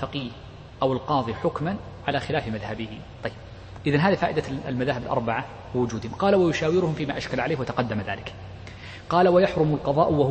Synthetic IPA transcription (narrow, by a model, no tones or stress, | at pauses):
faqiːh | ʔawɪlqɑːðˤiːħʊkman | ʕalaxɪlaːfmaðhabɪhɪ | t̪ˤɑjːɪb̚ | ʔɪðanɦaːðafaːʔɪd̪almaðaːɦɪbɪlʔɑɾˤbaʕa | wɪwʊd͡ʒuːd̪hɪmqɑːlawajʊʃaːwɪɾʊhʊmfiːmaːʔaʃkalʕaleːhwat̪aqɑd̪ːamaða̰ːlɪk | qɑːlawajaħɾʊmʊlqɑðˤɑ̰ːʔwah